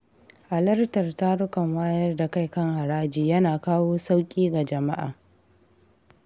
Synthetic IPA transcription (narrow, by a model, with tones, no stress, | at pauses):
ʔa˨lɐ˦rtɐ˨rta˦ɽʊ˦kɐ˨ŋwaː˦jɐ˦rda˨ka˦˨jkɐ˦ŋha˨ɾaː˦d͡ʒiː˨jɐ˦naː˨kaː˦woː˦sa˦wkʲʼiː˦ɡa˨d͡ʒɐ˨ma̰˦ʔa̰ː˨